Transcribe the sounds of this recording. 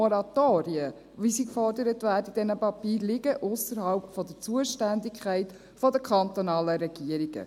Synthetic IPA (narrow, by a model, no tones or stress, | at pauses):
ɔɾɑt̪oːɾiə | ʋisikfɔrdəɾətʋæːdəid̥ɛnəpɑpiːɾlɪɡəʔʊsəɾɦɑlpfɔd̪ət͡suəʃtændikʰχæɪt | fɔd̪əkʰχɑnt̪ɔnɑːləɾɛɡ̥iəɾiɡ̥ə̰